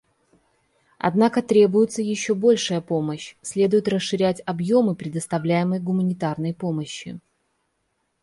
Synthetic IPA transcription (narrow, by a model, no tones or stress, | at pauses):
ɐ̰d̪nakət̪ɾʲe̞bʊjʊt̪səjɪɕːobo̞lʲʂɨjəpo̞məɕsʲlʲe̞d̪ʊjɪt̪rəsʂɨɾʲætʲɐbjo̞mɨpɾʲɪd̪əst̪ɐvlʲæjɪməjɡʊmənʲɪt̪arnəjpo̞məɕːɪ̰